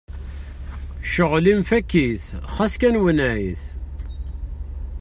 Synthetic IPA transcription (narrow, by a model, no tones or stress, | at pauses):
ʃəʁlimfækːiθχæskænwənæiθ